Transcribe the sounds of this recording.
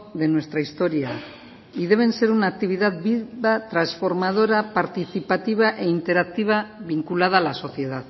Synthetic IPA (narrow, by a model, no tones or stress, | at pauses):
ðe̞nwe̞st̪ɾaist̪o̞ɾia | iðe̞β̞e̞nse̞ɾunak̚t̪iβ̞iðat̪biβat̪ɾansfo̞ɾmað̞o̞ɾapaɾt̪iθipat̪iβ̞aʔe̞int̪e̞ɾak̚t̪iβ̞aβiŋkulaðalaso̞θje̞ðað